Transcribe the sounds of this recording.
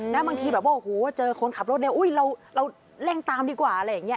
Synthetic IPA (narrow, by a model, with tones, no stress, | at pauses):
nɛ˦˥ba˧ŋk̪ʰiː˧bɛː˨˩waː˥ʔhoː˨˩˦wa˥˩t͡ɕɤː˧kʰo˧nkʰa˨˩p̚ɾo˦˥t̪̚laː˧˩ʔu˦˥˩jɾa˧wɾa˧w | lɛ˥˩ŋt̪aː˧mdiː˧kwaː˨˩ʔa˧ɾa˧˥jːaː˨˩ŋːi˦˥ɐ˧˨